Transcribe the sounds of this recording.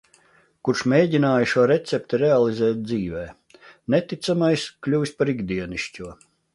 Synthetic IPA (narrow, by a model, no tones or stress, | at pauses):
kuɾʃmʲeːɟʲinaːjiʃuɔɾet̪sʲɛp̚t̪iɾealˠizɛːt̪̚ʲd̪ziːvɛː | net̪it̪samajsklʲuːspaɾiɡd̪iɛniʃcʲuɔ